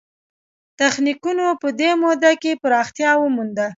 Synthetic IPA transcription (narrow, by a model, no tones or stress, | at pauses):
t̪axnikunopəd̪emod̪akepəɾɑxt̪jɑwəmund̪a